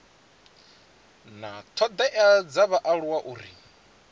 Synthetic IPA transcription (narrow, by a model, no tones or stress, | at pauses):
nat̪ʰɔd̪ɛʔad͡zaβaʔaɺuwaʔuɾḭ